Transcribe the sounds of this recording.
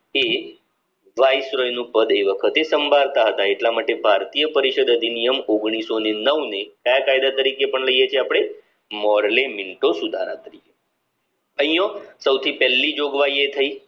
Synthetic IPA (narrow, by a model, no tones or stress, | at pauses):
e | ʋajsɾɔjnũpəd̪eʋəkʰət̪esəmbʱaɾt̪aɦət̪aeʈlamaʈebʱaɾt̪ijəpəɾiʃəd̪əd̪ʱinijəmoɡɽ̃isonenəʋnekajakajd̪at̪əɾikepəɳləijet͡ʃʰeapɽ̃e | mɔɾlemiɳʈosud̪ʱa̰ɾa̰t̪əɾike | ə̃ɦĩjosəwt̪ʰipɛlːid͡ʒoɡʋajiet̪ʰəi